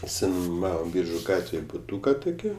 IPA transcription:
ɪʃʲsʲɪnʊˈmɑːʋoːm ˈbʲiːrʒʊ ˈɡɑːtʲʋʲeːj bʊˈtuːkɐ tʊˈkʲiː

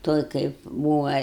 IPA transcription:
ˈtoːj kɐɪp ˈbuːʋɐ

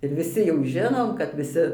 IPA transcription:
ɪr ʋʲɪˈsʲɪ jɛʊ ˈʒʲɪnoːm kɐt ʋʲɪˈsʲɪ

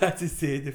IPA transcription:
ɐtʲsʲɪˈsʲeːdʲɪ

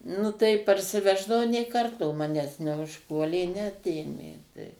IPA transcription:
ˈnʊ tɐɪ pɐrʲsʲɪˈʋʲæːʒdɐʋɐʊ nʲeː ˈkɐrtoː ˈmɑːnʲæːs nʲɛʊʃˈpuɔlʲeː nʲɛˈɑːtʲeːmʲeː tɐɪ

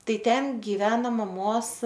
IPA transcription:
ˈtɐɪ ˈtʲɛn ɡʲɪˈʋʲæːnoː mɐˈmoːs

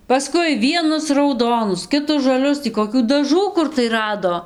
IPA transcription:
pɐˈskʊɪ ˈʋʲiɛnʊs rɐʊˈdoːnʊs ˌkʲɪtʊs ʒɐˈlʲʊs tʲiː koːˈkʲuː dɐˈʒuː ˈkʊr tɐɪ ˈrɑːdoː

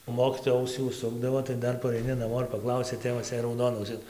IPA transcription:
oː ˈmoːkʲiːtoːjɛ ˈɐʊsʲiː ʊʃˈsʊɡdɐʋoː tɐɪ ˈdɐr pɐrɐɪˈnʲɪ nɐˈmoː ɪr pɐˈklˠɐʊsʲɛ ˈtʲeːʋɐs jɛɪ rɐʊˈdoːnɐ ɐʊˈsʲɪs

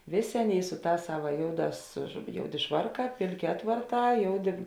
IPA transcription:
ˈʋʲeːˌsʲeː ˈɑːˌnʲeːɪ ˈsʊ ˌtɑːs ˈsɑːʋɐ ˈjoːʊˌdɑːs ʒʊ ˈjoːʊˌdʲeː ˈʃʋɐrˌkɑː ˈpʲeːlʲˌkʲeː ˈɑːtʋɐrˌtɑː ˈjoːʊˌdʲeː

